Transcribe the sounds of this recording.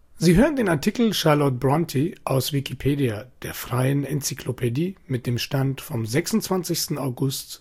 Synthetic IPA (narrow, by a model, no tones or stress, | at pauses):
ziːɦøːʁəndeːnaɐtʰiːkl̩ʃaɐlɔt̚b̥ʁɔntʰiʔaʊsv̥ikʰipʰeːdiad̥eːɐfʁ̥aɪənɛnt͡sikʰlopʰediːmɪt̚d̥eːmʃtantfɔmzɛksʊntt͡sv̥ant͡sɪçstn̩aʊɡʊst